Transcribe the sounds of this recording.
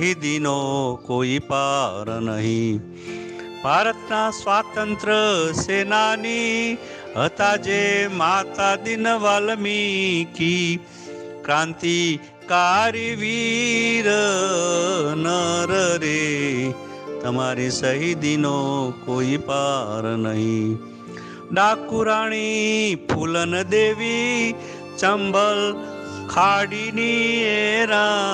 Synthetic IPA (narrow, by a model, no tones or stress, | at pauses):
ɦid̪inokoːipaːɾnəɦĩ | bʱaːɾət̪nasʋaːt̪ənt̪ɾəseːnani | ət̪aːd͡ʒemaːt̪ad̪inʋaːlmiki | kɾãːnt̪i | kaɾiʋiɾə | nəɾəɾe | t̪ɐmaːɾisəɦid̪inokoːipaɾnɐɦĩ | ɖakːuɾaːɽ̃ipʰulənəd̪eːʋi | t͡ʃɐmbəl | kʰaɽinieɾã